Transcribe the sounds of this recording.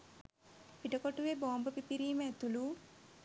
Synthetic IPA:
piʈəkoʈuʋeboːmbəpipiɾiːməæt̪ulu

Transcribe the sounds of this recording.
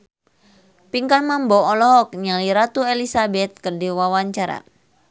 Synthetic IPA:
piŋkanmambɔɔlɔɦɔk̚ɲaliɾat̪uelisabɛt̪̚kərdiwawaɲt͡ʃaɾa̰

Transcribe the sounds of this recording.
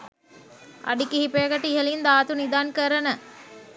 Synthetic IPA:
ʔɐ̰ɖikːihipejɐkɐʈːiiɦɐlind̪aːt̪unid̪aːnkəɾɐnə

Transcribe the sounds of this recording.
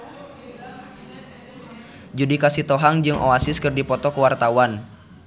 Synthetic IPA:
d͡ʒudikasit̪ɔɦaŋd͡ʒɨŋʔo̰asiskɨrdipɔt̪ɔkəwart̪awan

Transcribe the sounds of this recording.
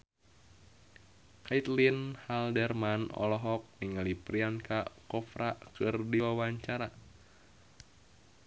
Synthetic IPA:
kait̪linhaldɛrmanɔ̰lɔɦɔk̚niŋalipɾiankakɔfɾakɨrdiwawaɲt͡ʃaɾa

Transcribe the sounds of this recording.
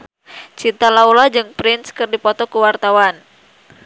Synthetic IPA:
t͡ʃint̪alaulad͡ʒɨŋpɾɪnskɨrdipɔt̪ɔkuwart̪awan

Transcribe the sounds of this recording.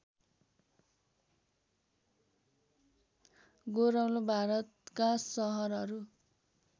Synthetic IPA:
ɡoɾawlobʱaɾʌt̪kasʌɦʌɾʌɾu

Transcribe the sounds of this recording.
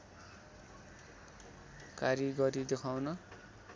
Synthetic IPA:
kaɾiɡʌɾid̪ekʰawnʌ

